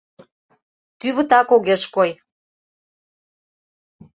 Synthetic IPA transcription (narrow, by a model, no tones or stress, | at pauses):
t̪yβət̪ɑkoɣeʃkoj